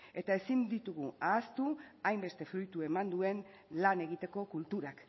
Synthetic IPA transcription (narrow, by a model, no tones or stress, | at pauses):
e̞t̪ae̞sind̪it̪uɣ̞uaːst̪uajmbe̞st̪e̞fɾujt̪ue̞mand̪ue̞n | lane̞ɣit̪e̞ko̞kult̪uɾak